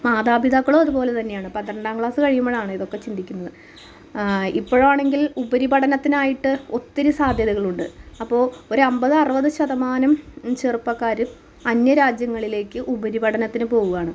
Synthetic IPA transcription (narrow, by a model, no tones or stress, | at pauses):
maːd̪aːbiðakːɐɭoɐðupo̞ːle̞t̪ɐnːejaːɳɨpɐnt̪ːɾɐɳɖaːmkɭaːsɨkɐɻijumːɐɭaːɳɨiðo̞kːe̞t͡ɕind̪ikʲːunːɐðɨ | ipːo̞ːɻʋaːɳe̞ŋɡilubɐɾibɐɽɐnɐt̪ːinaːjiʈːɨo̞t̪ːiɾusaːd̪ʱjɐðɐɣɐɭuɳɖɨɐpːo̞ːo̞ɾuɐmbɐðɨɐrɨʋɐðɨɕɐðɐmaːnɐmt͡ɕerpːɐkːaːɾɨ | ɐnjɐɾaːd͡ʑjɐŋːɐɭile̞ːkːɨʔubɐɾibɐɽʰɐnɐt̪ːinɨpo̞ːɣuɣaːɳɨ